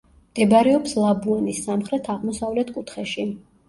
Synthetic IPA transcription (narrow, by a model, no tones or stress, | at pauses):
md̪̥ɛbaɾɛɔpslˠabuanisːamχɾɛt̪ʰaʁmɔsavlɛt̪ʰkʼut̪ʰχɛʃi